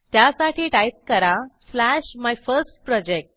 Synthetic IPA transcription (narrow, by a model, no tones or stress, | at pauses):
t̪jasaʈʰiːʈajp̚kəɾaslæɕmajfəɾsʈpɾɔd͡ʑek̚ʈ